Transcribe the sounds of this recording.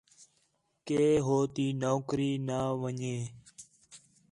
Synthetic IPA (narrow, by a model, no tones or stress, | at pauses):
keːɦoːt̪iːnoːkɾiːnaːʋəɲeː